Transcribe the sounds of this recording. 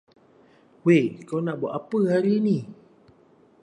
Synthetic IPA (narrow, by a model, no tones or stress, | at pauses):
wekonabɔʔapəɦaɾini